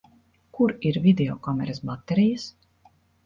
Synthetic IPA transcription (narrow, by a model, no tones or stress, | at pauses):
kuɾiɾvid̪eɔkɔmɛɾesbat̪ːeɾijas